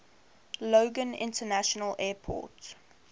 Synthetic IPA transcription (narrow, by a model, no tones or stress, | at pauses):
loʊɡə̃nɪ̰̃ntənaʃɔnəlʔɛːpʰɔ̰ːˑt